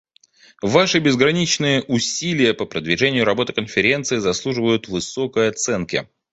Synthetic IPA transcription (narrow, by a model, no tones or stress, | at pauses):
vaʂɨbʲɪzɡɾɐnʲit͡ɕnɨjəʔʊsʲilʲɪjəpəpɾəd̪vʲɪʐɛnʲɪjʊɾɐbo̞t̪ɨ̥kənfʲɪɾʲe̞nt̪sɨɪzɐslˠuʐɨvəjʊt̪vɨso̞kəjɐt̪sɛnkʲɪ̰